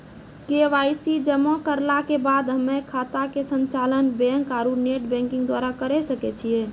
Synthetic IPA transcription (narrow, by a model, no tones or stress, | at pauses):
keʋajsid͡ʒəmɔ̃kəɾlakebad̪ɦəmːekʰat̪akesənt͡ʃalənbɛŋkaɾuneʈbɛ̃ŋkĩŋɡd̪waɾakəɾɛsəkɛt͡ʃʰije